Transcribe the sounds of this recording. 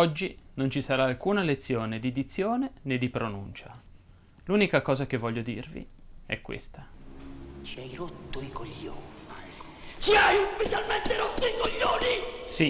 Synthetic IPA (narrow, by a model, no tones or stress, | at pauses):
ɔd͡ʒːinont͡ʃisaɾaːlkuːnalet̪sːjoːned̪id̪it̪sːjoːnened̪ːipɾonṵnt͡ʃa | luːnikakɔːzak̟evːɔʎːod̪ḭrvḭɛ̰kːwḛst̪a | t͡ʃiajɾot̪ːoikoʎːo̰ːni | t͡ʃiajufit͡ʃalment̪eɾɔt̪ːoikoʎːoːnisi